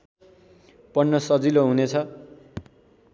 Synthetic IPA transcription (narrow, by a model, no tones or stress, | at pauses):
pʌnːʌsʌd͡ziloɦunet͡sʰʌ